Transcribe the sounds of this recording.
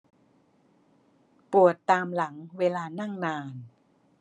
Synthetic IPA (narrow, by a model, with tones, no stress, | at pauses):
pu˨˩ət̪ːaː˧mla˩˦ŋweː˧laː˧na˥˩ŋnaː˧n